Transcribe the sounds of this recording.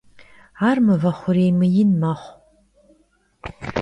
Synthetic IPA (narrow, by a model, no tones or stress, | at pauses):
aːrmɨvɐχʷʊɾejmɨjɪnmaχʷ